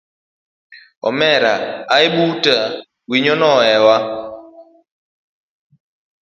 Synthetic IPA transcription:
ɔ̰mɛɾa̰ːeɓuta | wiɲɔnɔɛwa

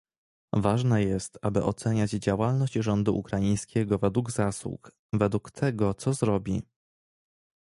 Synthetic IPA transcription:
vaʐnɛjɛst̪abɘʔɔt̪sɛɲad͡ʑd͡ʑawalnɔɕd͡ʑʐɔnd̪uʔṵkɾajĩj̃skʲɛɡɔvɛd̪wuɡzaswṵk | vɛd̪wukt̪ʰɛɡɔt̪sɔzɾɔbʲi

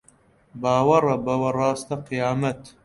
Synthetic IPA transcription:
baːwɐrɐbɐwɐrɑːst̪ɐqijaːmɐt̪

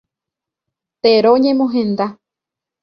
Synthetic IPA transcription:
t̪eɾoɲẽ̞mõɦẽnd̪a

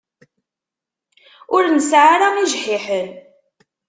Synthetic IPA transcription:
ʊɾnəsʕaɾaŋiʒħiħən

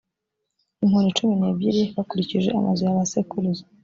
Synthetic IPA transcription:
iŋhonit͡ʃumineːbɟiɾiβakuɾiciʒḛʔa̰ma̰zojaβasekuluzo

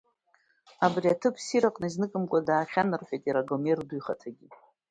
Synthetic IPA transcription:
abriatʰɨpʰsiɾaqʼnaznɨkʼɨmkʷʼadaːχʲanɨrħᶣajtʼiɾaɡomerdujχatʰaɡʲi

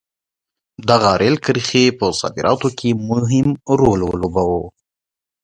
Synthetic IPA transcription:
d̪aɣaɾʔelkəɾxepəsɑ̰d̪ɪɾʔɑt̪okʰemʊɦɪmɾollobawo

